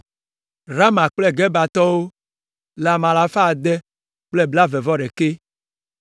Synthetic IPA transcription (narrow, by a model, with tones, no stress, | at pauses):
ɾa˦mã˨k͡plɛ˦˨ɡɛ˦ba˨t̪ɔ˦wo˦ | la˨mã˨la˨fa˦˨d̪ɛ˦ | k͡plɛ˦˨bla˦vɛ˨vɔ˦ɖɛ˨ke˦